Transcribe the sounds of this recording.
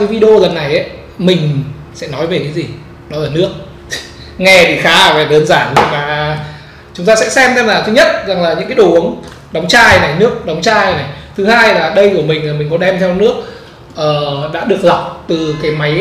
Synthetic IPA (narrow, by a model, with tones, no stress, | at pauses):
kaː˨˦jvi˧ɗə˧o˧lə˨˩nːa˨˩jʔə˨˦j | mï˨˩ŋ̟ | sɛ̰˧˥nɔ˨˦jve˨˩kaː˨˦jzi˨˩ | ɗɔ˨˦laː˨˩nɨ˦˥ək̚ | ŋɛ˧˩t̪ʰi˨˩xaː˨˦˨vaː˨˩ɗəː˨˦nzaː˧˩n˨˩maː˨˩ | t͡ɕʊ˨˦ŋ͡mt̪aː˧sɛ̰˧˥sɛ˧mt̪ʰɛ˧laː˨˩t̪ʰɨ˨˦ɲə˦˥t̚za˨˩ŋlaː˨˩ɲɨ̰˧˥ŋkːaː˨˦ɗo˨˩˨n | ɗa˨˦wŋ͡mt͡ɕaː˧˩jna˨˩jnɨ˦˥ək̚ɗa˨˦wŋ͡mt͡ɕaː˧jna˨˩jt̪ʰɨ˨˦haː˧jlaː˨˩ɗə˧jku˧˩əmï˨˩ŋ̟laː˨˩mï˨˩ŋ̟kɔ˨˦ɗɛ˧mt̪ʰɛ˧wnɨ˦˥ək̚ | ʔəː˨˩ɗa̰ː˧˥ɗɨ˨˩ək̚za˨˩wk͡p̚t̪ɨ˨˩kaː˨˦jma˨˦j